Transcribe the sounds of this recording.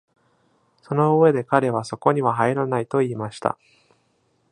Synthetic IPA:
so̞no̞ɯβe̞d̪e̞kaɾe̞β̞aso̞ko̞ɲ̟iβaɦaiɾanait̪o̞iːmaɕi̥t̪a̰

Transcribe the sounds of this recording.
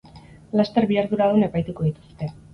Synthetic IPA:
last̪e̞ɾβiaɾðuɾaðune̞pajt̪uko̞ðit̪u̥st̪e̞

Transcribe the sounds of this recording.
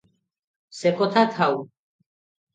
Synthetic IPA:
sɛkʼɔt̪ʰat̪ʰaw

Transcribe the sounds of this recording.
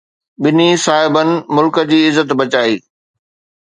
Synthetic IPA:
ɓɪnisaːɦɪbənɪ̆mʊlkə̆d͡ʑiːɪzət̪bɐt͡ɕaːiː

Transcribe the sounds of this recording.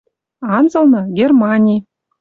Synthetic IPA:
ɑnzɤ̆lˠnɤ̆ɡʲermɑnʲij

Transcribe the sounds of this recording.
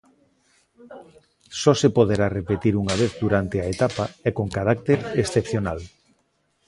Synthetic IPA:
sɔsepoðeɾarepet̪iɾuŋaβ̞eθðuɾant̪eaet̪apaɛkoŋkaɾak̚t̪eɾesθepθjonal

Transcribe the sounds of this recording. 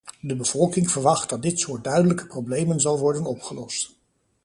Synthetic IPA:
dəbəv̥ɔlˠkɪŋv̥əɹʋɑχt̚dɑt̚dɪtsʊːɹt̚dœɥdələkə̥prowblejmənzɑlˠʋɔɹdənɔpχəlɔst

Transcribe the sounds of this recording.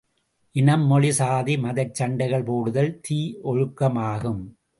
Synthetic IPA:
ʔɪnɐmːɔɭɪsaːðimɐðɐɪt͡ʃːɐɳɖɐɪɣɐɭpoːɽɯðɐlt̪iːʔɔɻɯkːɐmaːɣɯm

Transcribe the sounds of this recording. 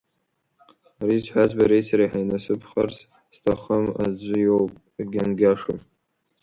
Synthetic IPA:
aɾizħʷazbaɾejsaɾaħajnasɨpʰχars | stʰaχəma̰d͡zʷʊjowpʼ | ɡʲanɡʲaʂo̰m

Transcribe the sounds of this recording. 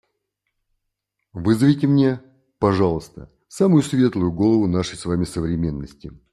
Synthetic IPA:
vɨzəvʲɪjtʲɪmnʲe̞ | pɐʐɑlˠəst̪ə̰ | samʊjʊsvʲe̞t̪lˠʊjʊɡo̞lˠəvʊnaʂəjsvamʲɪsəvɾʲɪmʲe̞nːəsʲtʲɪ

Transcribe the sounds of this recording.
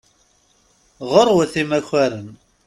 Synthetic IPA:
ʁoɾˤwəθimæçæɾən

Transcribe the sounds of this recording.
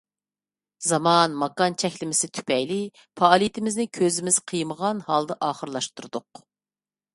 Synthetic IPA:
zɑmɑnmɑkɑnt͡ʃʰɛkʲlɪmɪsɪt̪ʰy̥pʰɛjlɪ | pʰɑːlˠijit̪ʰɪmɪznɪkʲʰøzɪmɪzqʰəjməʁɑnhɑlˠd̪ɨʔɑːχəɾlˠɑʃt̪uɾd̪ʊq

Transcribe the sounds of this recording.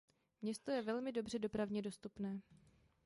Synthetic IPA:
mɲɛst̪o̞jɛvɛlmɪdo̞br̝ɛdo̞pɾavɲɛdo̞st̪upnɛː

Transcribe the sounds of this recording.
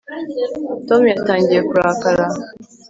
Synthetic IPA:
tɔmjataːɲɟiekuɾakala

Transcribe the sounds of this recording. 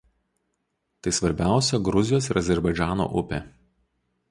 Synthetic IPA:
t̪ɐɪsʋɐɾʲbʲæˑʊsʲɛɡɾʊzʲɪjoːsɪɾʔɐzʲɛɾbɐɪd͡ʒʲæːno̰ːʔʊpʲe

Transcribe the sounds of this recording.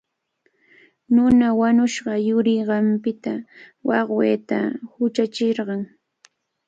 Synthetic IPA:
nʊnawanʊʃɢɑjʊɾɪɢɑmpɪt̪awɑχwḛːt̪a̰hʊt͡ʃat͡ʃɪɾɢɑŋ

